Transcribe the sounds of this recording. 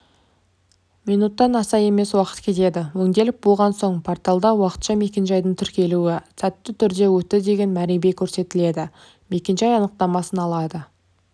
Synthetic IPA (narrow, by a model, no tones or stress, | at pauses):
mijnut̪ːɑnɑsɑje̞me̞swɑqət̪kʲʰe̞t̪e̞d̪ɪwɵŋd̪e̞lɪk̚bolˠʁɑnso̞ɴpʰort̪ɑlˠd̪ɑwɑqə̥t̪ʃɑme̞kʲe̞nʒɑjd̪əɴt̪ʰʏɾkʲe̞luɪsæt̪ːɪt̪ʰʏɾd̪e̞wɵt̪ɪd̪e̞ɡʲe̞nmæɾebe̞kʲʰɵɾse̞t̪ɪle̞d̪ɪ | me̞kʲe̞nʒɑjɑnəq̚t̪ɑmɑsənɑlˠɑd̪ə